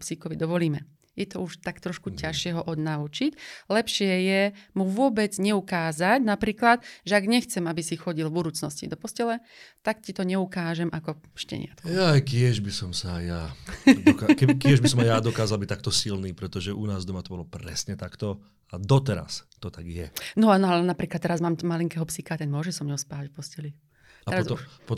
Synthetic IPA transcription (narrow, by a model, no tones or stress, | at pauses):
psikɔʋid̪ɔʋɔliːmɛ | jɛt̪ɔuʃt̪akt̪ɾɔʃkucaʃɪɛɦɔʔɔd̪naut͡ʃiclɛpʃɪɛjɛmuʋʊɔbɛd͡zɲɛukaːzacnapɾiːklat̪ʒɛaɡɲɛxt͡sɛmabisixɔɟilvbud̪uːt͡snɔscḭd̪ɔpɔscɛlɛ | t̪ak̚cit̪ɔɲɛukaːʒɛmʔakɔ | ʃcɛ̰ɲɪ̰a̰t̪kjajkɪɛʒbisɔmsajjad̪kkɛkɪɛʒbisɔmajad̪ɔkaːzalbic̚t̪ak̚t̪ɔsilniːpɾɛt̪ɔʒɛʔunaːzd̪ɔmat̪ɔbɔlɔpɾɛ̰sɲɛt̪akt̪ɔ | ad̪ɔt̪ɛɾa̰st̪ɔt̪aɡjɛnɔanɔalɛnapɾiːklat̪ːɛɾazmaːmmaliŋkɛɦɔpsixat̪ɛnmʊɔʒɛsɔmɲɔʊspaːʋacfpɔscɛli | t̪ɛɾazuʃpɔ